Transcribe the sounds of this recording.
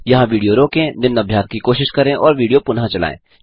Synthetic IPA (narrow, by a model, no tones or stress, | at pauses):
jɐɦãʋiːɖijoɾoːkẽnɪnːɐbʱjaːt̪̚kikoːʃɪʃkɐɾẽʔɔːɾʋiːɖijopʊnɦãt͡ʃɐla̰ːḛ̃ː